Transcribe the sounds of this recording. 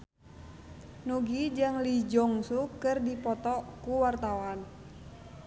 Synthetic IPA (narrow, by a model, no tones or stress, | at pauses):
nuɡid͡ʒaŋlid͡ʒɔŋsukɨrdipɔt̪ɔkuwart̪awan